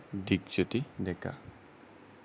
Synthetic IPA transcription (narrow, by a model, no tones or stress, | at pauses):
d̪ikt͡ʃɔt̪id̪ɛka̰